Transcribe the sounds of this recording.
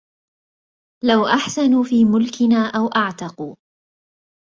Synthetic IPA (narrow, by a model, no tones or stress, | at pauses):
lawʔaħsanuːfiːmʊlkɪnaːʔawʔaʕt̪ɑquː